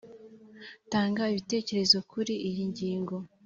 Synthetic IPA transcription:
taːŋɡaiβite̞ːce̞ɾe̞zo̞kuɾiʔijiɲɟiːŋɡo̞

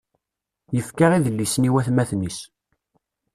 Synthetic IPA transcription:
jəfkaʁiðəlːisniwæθmæθnis

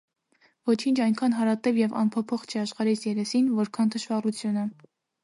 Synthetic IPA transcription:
vɔt͡ʃʰint͡ʃʰɑjŋkʰɑnɦɑɾɑt̪ɛvjɛvɑ̰npʰɔpʰɔχt͡ʃʰɛɑʃχɑɾɛsjɛɾɛsinvɔɾkʰɑnt̪ʰəʃvɑrut͡sʰjunə

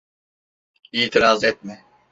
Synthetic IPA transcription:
iːt̪ʰiɾazɛt̪̚mɛ

